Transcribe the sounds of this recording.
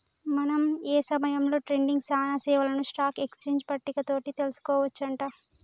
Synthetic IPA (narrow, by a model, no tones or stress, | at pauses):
mɐnɐmeːsɐmɐjɐmlo̞ːʈɾe̞ɳɖiŋɡsaːnɐsɛːʋɐlɐnuʂʈaːke̞kst͡ʃeːɲd͡ʒpɐʈːikɐt̪o̞ːʈit̪e̞lusu̥kɔːʋɐt͡ʃːɐɳʈaː